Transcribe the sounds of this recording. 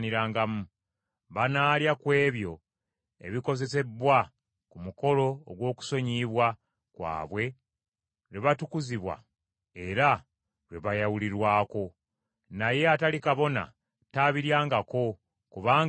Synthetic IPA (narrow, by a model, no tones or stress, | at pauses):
niɾaːŋɡamu | βanaːljakwe̞ːβjo̞ | e̞̰βiko̞ze̞se̞bwa | kumuko̞lo̞ːɡwo̞ːku̥so̞ɲiβwa | kwa̰ːβwe̞ | ɾeβatukuziβwa̰ | eɾa | ɾweβajawuliɾwaːko̞ | naje̞atalikaβo̞na̰ | taβiɾjaːŋɡako̞ | kuβaːŋ